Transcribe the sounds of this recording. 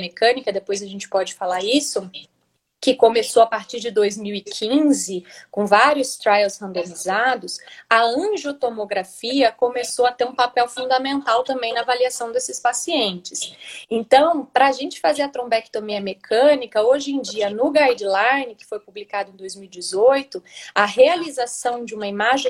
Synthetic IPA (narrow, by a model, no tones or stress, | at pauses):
mekɐ̃nikɐd̪epojzɐʒẽnt͡ʃɪ̥pɔd͡ʒɪfalaɾisʊ | kɪkomesowapaɾt͡ʃiɾd͡ʒɪd̪ojzmiwikʰĩzɪkõvaɾiʊst̪ɾajlshɐ̃nd̪õmizad̪ʊsɐɐ̃ʒot̪omoɡɾafiɐkomesoɐt̪eɾũpapɛwfũnd̪amẽnt̪awt̪ɐ̃mbẽj̃nɐvaliasɐ̃w̃d̪esɪspasiẽnt͡ʃɪsẽnt̪ɐ̃w̃pɾɐːʒẽnt͡ʃɪ̥fazeɾɐt̪ɾõbɛkt̪õmiɐmekʰɐ̃nikɐoʒẽd͡ʒiɐnʊɡajd͡ʒɪlajnɪkɪ̥fojpublikad̪ʊẽd̪ojzmiwid͡ʒɪzojt̪ʊɐɦealizasɐ̃w̃d͡ʒɪũmɐimaʒẽ